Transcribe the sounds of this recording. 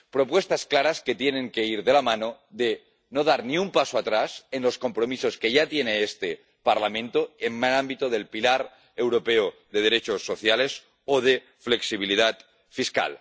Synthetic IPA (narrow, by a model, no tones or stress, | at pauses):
pɾo̞pwe̞st̪asklaɾasket̪jenẽ̞ŋke̞iɾðe̞lamãno̞ | ðe̞ | no̞ð̞aɾniumpasoat̪ɾase̞nlo̞sko̞mpɾo̞miso̞ske̞ʝat̪jene̞est̪e̞ | paɾlamẽ̞nt̪oemmanãmbit̪oð̞e̞lpilaɾ | e̞wɾo̞pe̞oðe̞ð̞e̞ɾe̞t͡ʃosːo̞θjale̞s | oð̞e̞ | fle̞ksiβ̞ilið̞at̪̚ | fiska̰l